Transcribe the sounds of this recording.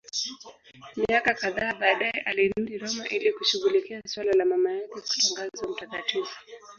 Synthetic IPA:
miakakaðaːɓaːɗaɛʔalin̩diɾɔmaʔilikuʃuɣulikiaswalalamamajakɛku̥taŋɡazam̩takativu̥

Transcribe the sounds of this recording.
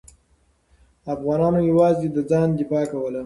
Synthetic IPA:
afɣɑnɑnojawɑzed̪əd͡zɑnd̪ɪfɑkawəla

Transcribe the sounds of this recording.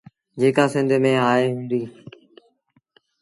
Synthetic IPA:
d͡ʑeːkaːsɪ̃nd̪ʱmẽːaːeːɦʊ̃ːnd̪iː

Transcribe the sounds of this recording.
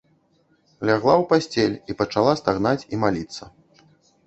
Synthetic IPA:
lʲaɣlˠawpasʲt͡sʲelʲipɐt͡ʂalˠast̪aɣnat͡sʲimalʲit̪sːɐ

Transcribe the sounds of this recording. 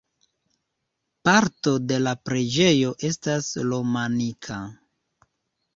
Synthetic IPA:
paɾto̞de̞lapɾe̞d͡ʒe̞jo̞ʔe̞staslo̞manikʰa

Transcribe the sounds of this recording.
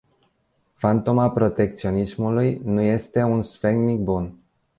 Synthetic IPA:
fant̪o̞mapɾo̞t̪e̞k̚t̪sio̞nismulujnuje̞st̪e̞unsfeŋɡnik̚bun

